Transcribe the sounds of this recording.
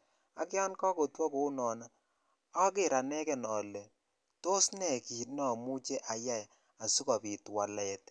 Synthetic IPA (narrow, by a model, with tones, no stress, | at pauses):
a˨˦kja˦nkɔ˦ko˨twɔ˦ku˨˦nɔ˨na˦ | a˦k̬ɪ˦˨ɾa˨nɛ˦kɛ˨nɔ˨lɛ˨ | to˦snɛ˨ki˨tnɔ˨mu˦t͡ʃɛ˦ʔa˨ja˦j | a˨su˦kɔ˨pi˨twa˨lɛ˨t